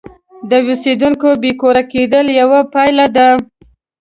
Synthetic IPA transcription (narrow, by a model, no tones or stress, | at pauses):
d̪əwused̪uŋkobekoɾaked̪əljawapajlad̪a